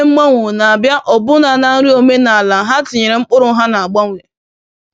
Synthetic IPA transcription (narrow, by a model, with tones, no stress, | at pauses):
m̩˦ma˦ŋʷʊ˨na˨a˨bja˦ʔɔ˨bʊ˦na˨na˨n̩˦ɾi˦o˨me˦na˨a˨la˨ɦa˦tɪ˨ɲe˨ɾe˨ŋ͡m̩˦k͡pʊ˦ɾʊ˨˦ɦa˦na˨a˨ɡ͡ba˦ŋʷ˨e˨